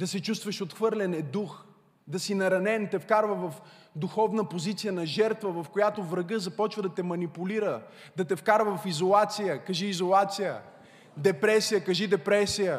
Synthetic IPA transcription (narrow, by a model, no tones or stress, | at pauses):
d̪ɐsɛt͡ʃust̪vɐʃot̪xvɤɾlɛnɛd̪ux | d̪ɐsinɐɾɐnɛnt̪ɛfkaɾvəvɐfd̪uxɔvnəpozit̪sijənɐʒɛɾt̪vəvɐfkojat̪ovɾɐɡɤzɐpɔt͡ʃvəd̪ɐt̪ɛmɐnipʊliɾə | d̪ɐt̪ɛfkaɾvəvɐfizolˠat̪sijəkɐʒiːzolˠat̪sijə | d̪ɛpɾɛsijəkɐʒid̪ɛpɾɛsijə